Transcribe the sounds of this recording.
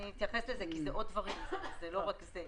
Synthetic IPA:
it̪jafeslezekizeʔot̪̚d̪vaʁimzeloʁakze

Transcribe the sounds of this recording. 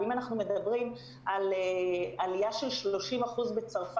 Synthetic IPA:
imanaχnume̞dabʁim | alealijaʃe̞lʃlo̞ʃimaχuzbe̞t͡saʁf

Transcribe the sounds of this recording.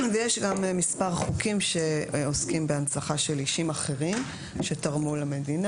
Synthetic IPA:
vejeʃɡammːispaʁχukimʃe̞oskimbeant͡saχaʃe̞liʃimaχe̞ʁim | ʃe̞taʁmulame̞dina

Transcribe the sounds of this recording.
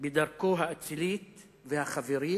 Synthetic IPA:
bed̪aʁkoɦaːt͡silit̪ | vehaχaveʁi

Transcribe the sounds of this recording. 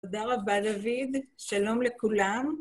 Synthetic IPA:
ad̪aʁabad̪avid̪ʃalo̞mlekulam

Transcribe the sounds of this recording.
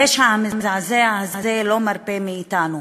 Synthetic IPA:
jeʃhaamimzazeaazazelomaɾpemiːt̪anu

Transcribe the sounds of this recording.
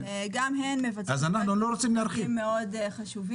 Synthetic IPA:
ɡamɦenmevat͡sazanaχnulo̞ɾot͡simleaɾχimːeo̞d̪χaʃuvi

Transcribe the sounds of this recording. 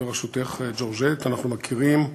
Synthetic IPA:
eʁaʃut̪eχd͡ʒoʁʒet̪anaχnumakʰiʁim

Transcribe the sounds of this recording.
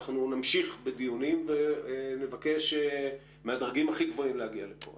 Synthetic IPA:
χnunamʃiχbed̪ijunimvenevake̞ʃe | mead̪ʁaɡimaχiɡvo̞imlehaɡialepo̰

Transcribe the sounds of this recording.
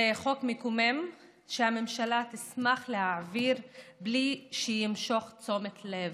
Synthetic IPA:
eχo̞kmikumem | ʃehame̞mʃalat̪ismaχlehaʕviʁbliʃejimʃo̞χt͡so̞met̪lev

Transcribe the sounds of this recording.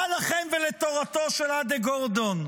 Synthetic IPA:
alaχemvelet̪o̞ʁat̪o̞ʃelad̪eɡoʁd̪on

